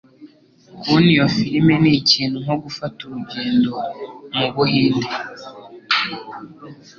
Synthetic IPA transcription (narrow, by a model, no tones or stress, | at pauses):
kunijofiɾimeniciːn̥huŋoɡufatuɾuɟeːndo̞muɡuɦiːnde